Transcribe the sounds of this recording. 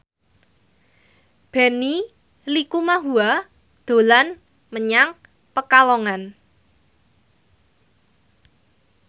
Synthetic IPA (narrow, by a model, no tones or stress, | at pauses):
b̥ɛni | likumaɦua | d̪̥o̤lan | məɲaŋ | pəkalɔŋan